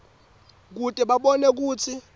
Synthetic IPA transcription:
k̬utʼɛɓaɓɔnek̬uːt͡sʰi

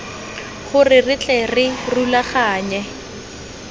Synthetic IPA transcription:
χʊrɪrɪt͡ɬʼɛrɪrulaχaːɲɛ

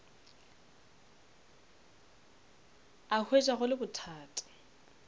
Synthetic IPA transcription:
ahʰwet͡ʃʼaχʊlɪbʊtʰaːtʰʼɔ̥

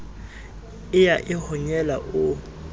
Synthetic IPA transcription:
ɪjaʔɪhɔɲɛlaʔʊ

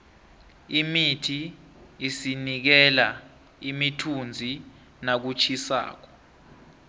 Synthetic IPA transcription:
imitʰiː | sinik̬ɛla | imitʰund͡zʱi | nak̬ut͡ʃʰisa̰ːk̬ɔ̥

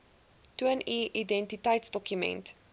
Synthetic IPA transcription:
tuəniːʔidɛ̃ntitajtsdɔkjumɛ̰̃nt

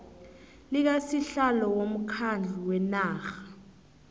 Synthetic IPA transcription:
lik̬asiɬalɔwom̩kʰand͡ɮʱuwɛnaːxḁ

